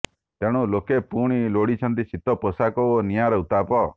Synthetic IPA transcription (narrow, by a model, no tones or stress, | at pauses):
t̪eɽ̃ũlokepuɽ̃iloɽit͡ʃʰɔnt̪isit̪ɔpəsakɔonijaɾɔut̪apɔ